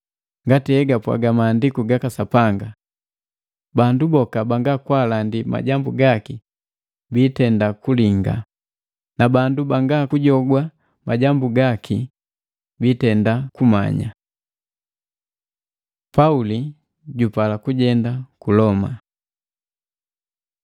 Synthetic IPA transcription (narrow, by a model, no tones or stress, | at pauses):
ŋɡatihɛɡapwa̰ɡamaːndikuɡakasapaŋɡa | bandubɔkabaŋɡakwalandima̰ɟambuɡaki | biːtɛndakuliŋɡa̰ | nabandubaŋɡakuɟɔɡwa | maɟambuɡakʰi | biːtɛndakuma̰ɲa̰ | pauli | ɟupalakuɟɛndakulɔma̰